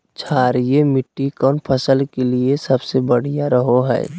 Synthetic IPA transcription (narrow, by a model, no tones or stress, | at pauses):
t͡ʃʰaːɾijemɪʈːikɔːnpʰəsəlkeliesɐbsebəɽ̤ijaɾəɦoɦɛ̰ː